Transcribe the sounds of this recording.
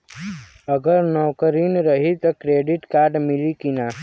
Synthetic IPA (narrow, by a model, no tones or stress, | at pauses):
əɡəɾnɔːkəɾiːnɾəɦit̪ɐkɾeːɖɪʈkaːɾɖmɪlikinaː